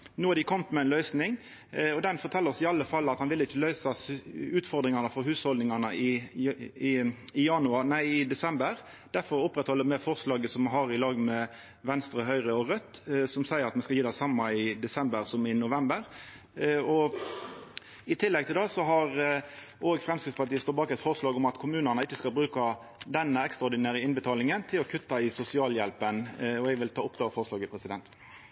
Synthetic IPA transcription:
nuːɑd̪ɪkʰɔmt̪mɛɛɪnlœʏsnɪŋ | ɔd̪ɛnfɔɾt̪ʰɛlːəɔsɪɑlːəfɑlːɑt̪hɑnʋɪlːəɪçːəlœʏsɑʉːt̪fɔɾd̪ɾɪŋɑnəfɔɾɦʉːshɔld̪nɪŋɑnəɪ | ɪɪjɑnʉɑnæɪɪd̪ɛsɛmbəɾ | d̪̥æfɔɾʊpːɾɛt̪hɔlːəmɛfɔʁslɑːɡəsɔmɦɑɾɪlɑːɡmɛ | ʋɛnst̪ɾəɦœʏʁəɔʁœt̪ːsɔmsæɪəɾɑt̪mɛskɑljiːd̪æsɑmːɑɪd̪ɛsɛmbəʁsɔmɪnʊʋɛmbəɾ | ɔ | ɪt̪ʰɪlːɛɡ̚t̪ʰɪld̪ɛsɔɦɑʁ | oːɡfʁɛmskɾspɑt̪iːəst̪ɔːbɑːkɛt̪fɔʁəslɑːɡɔmɑt̪kʰʊmʉːnənəɪt͡ʃːəskɑlbʁʉːkɑ | d̪ɛnːəɛkst̪ʁɑɔɾd̪ɪnæːɾəɪnbət̪ʰɑːlɪŋənt̪ʰɪlɔkʰʉt̪ːɑɪsʊsɪɑːljɛlpənɔɛɡʋɪlt̪ʰɑːʊp̚ɡ̪ɑːʋfɔʁəslɑːɡəpʰɾɛsɪd̪ɛnt̪

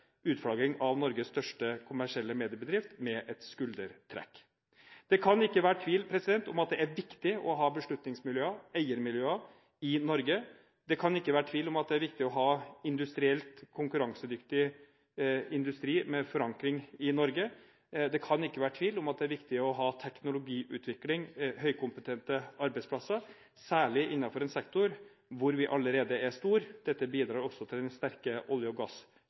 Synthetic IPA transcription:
ʉːt̪fɽɑːɡɪŋɑʋnɔɾɡəsst̪œʂʈəkʰʊmæʂɪɛlːəmeːd̪ɪəbəd̪ɾɪft̪mɛʔɛt̪skʉld̪əɾt̪ʰɾɛ̰kː | d̪̥ɛkʰɑnɪkːəʋæːɾəʈ̪ʰʋiːlpʰɾɛsɪd̪ɛnt̪ʊmɑt̪̚d̪ɛæɾʋɪkt̪ɪʔɔɦɑːbəʂɭʉt̪nɪŋsmɪljøːəæɪəɾmɪljøːə | ɪnɔɾɡə | d̪ɛkʰɑnɪkːəʋæːɾəʈʰʋiːlʊmɑt̪̚d̪ɛæɾʋɪk̚t̪ɪɔɦɑːɪnd̪ʉst̪ɾɪɛlt̪kʰʊŋkʉɾɑŋsəd̪ʏkt̪ɪ | ɪnd̪ʉst̪ɾiːmɛfɔɾɑŋkɾɪŋɪnɔɾɡə | d̪ɛkʰɑnɪkːəʋæːɾəʈʰʋiːlʊmɑt̪̚d̪ɛæɾʋɪkt̪ɪɔɦɑːt̪ʰɛknʊlʊɡiːʔʉːt̪ʰʋɪklɪŋɦœʏkʰʊmpət̪ʰɛnt̪əɑɾbɛɪspʰlɑsːə | sæːɭɪʔɪnːɑfɔɾɛnsɛkt̪ʊɾ | ʋʊɾʋɪʔɑləɾeːd̪əæʂt̪uːɾd̪̥ɛt̪ːəbiːd̪ɾɑːɾɔsːɔt̪ʰɪld̪ɛnst̪æɾkəʔɔljəɔɡɑs

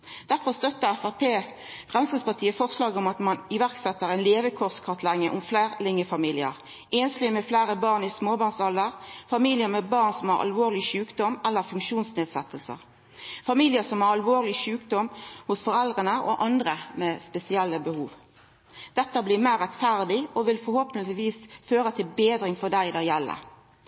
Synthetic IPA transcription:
d̪̥æɾfɔst̪œt̪ːəʁæfæʁpʰeː | fʁɛmskid̪spɑʁt̪ʰiːəfɔʁslɑːɡəɔmɑt̪mɑnɪʋæʁksɛt̪ːəɾɛɪnleːʋəkʰɔʁskʰɑʁt̪ʰlɛŋːəʔʊmflæːʁlɪŋːəfɑmiːlɪəʁ | ʔeːnslɪmɛflæːɾəbɑːʁnɪsmoːbɑːʁnsɑləʁfɑmiːlɪəɾmɛbɑːʁnsɔmhɑ̰ɾɑ̰lʋoːʁlɪʃʉːkd̪ɔmælːəʁfʉŋkʃuːnsneːd̪sɛt̪ːəlsə̰ʁ | fɑmiːlɪəsɔmhɑɾɑlʋoːʁlɪʃʉːkd̪ɔmhʊsfɔɾɛld̪ʁənəʔɔ̰ʔɑnd̪ɾəmɛspɛsɪɛlːəbəhuːʋ | d̪̥ɛt̪ːəblɪmæɪʁɛt̪fæʁd̪ɪɔʋɪlfɔɾhoːpənɪʋiːsføːɾət̪ʰɪlbeːd̪ɾɪŋfɔd̪æɪd̪æjɛlːə̰

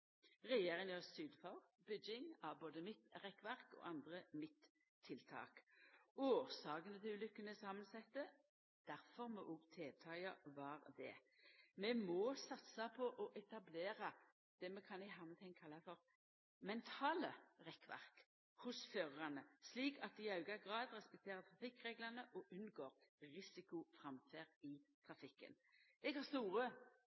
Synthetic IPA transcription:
ʁɛjeːʁɪŋəssyːd̪fɑʁ | bʏd͡ʒɪŋɑboːd̪əmɪt̪ʁɛkːʋæʁkɔ̰ːʔɑnd̪ʁəmɪt̪ʰː | ɪlt̪ʰɑ̰ːkoːsɑːkənət̪ʰɪʉːlʏkːənəsɑmːənsɛt̪ːə | d̪̥æʁfɔʁmɔʔɔɡt̪ʰeːt̪ʰɑːjɑʋɑɾd̪ɛ̰ | mɛmɔsɑt̪sɑpʰɔʔɔʔɛt̪ɑbleːɾɑ | d̪̥ɛmɛkʰɑnɛɦɑːmɛt̪ʰɛŋkʰɑlːɑfɔɾ | mɛnt̪ʰɑːləʁɛkːʋæ̰ʁk | hʊsføːʁʁɑnəsliːkʰɑt̪̚d̪ɪɑʉɡɑɡʁɑːd̪ʁɛspɛk̚t̪ʰeːɾət̪ʰʁɑfɪkːʁeːɡlɑnəʔɔʔʉnɡoːʁʁɪsɪkʊfʁɑmfeːʁɪt̪ʰʁɑfɪkːə̰n | ɛɡhɑʁst̪uːʁə

